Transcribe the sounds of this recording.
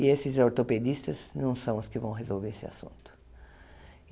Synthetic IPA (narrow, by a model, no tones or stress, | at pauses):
iesɪzawt̪oped̪ist̪ɐznɐ̃w̃sɐ̃w̃ʊskɪvɐ̃w̃ɦezolveɾesɪa̰sṵ̃nt̪ʊ̥